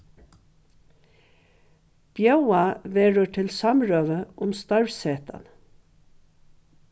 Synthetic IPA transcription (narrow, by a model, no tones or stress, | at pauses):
b̥jœwaʋeːɹəʈʰɪlsɑmɹøːʋəʔʊmst̪ɑɹseːt̪a̰n